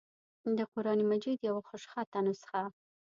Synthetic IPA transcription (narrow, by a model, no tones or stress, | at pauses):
d̪əqʊɾɑnimad͡ʒid̪jawaxʊʃxat̪anosə̥xa